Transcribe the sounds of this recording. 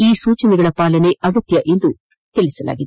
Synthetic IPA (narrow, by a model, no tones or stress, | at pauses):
iːsuːt͡ʃɐnɛɡɐɭɐpaːlɐne̞ʔɐɡɐt̪jɐʔend̪u | t̪eɭisɐla̰ːɡid̪